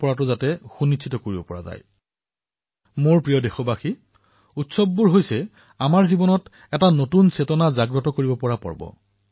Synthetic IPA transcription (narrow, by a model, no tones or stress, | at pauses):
pɔɹatʊzatɛxunitsʰitɔkoɹibɔpɔ̰ɹa̰za̰j | moɹpɹijɔdexɔbaxi | utsɔbːuɹɦojsɛ | amaɹzibɔnɔt | ɛtanotunsetɔnazaɡɹɔtɔkoɹibɔpɔɹapɔ̰ɹbɔ̰